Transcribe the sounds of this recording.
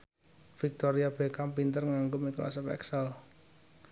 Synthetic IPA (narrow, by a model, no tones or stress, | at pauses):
fik̚t̪oɾiab̥e̤kampint̪ərŋaŋɡomikla̰səpɛ̰ksəl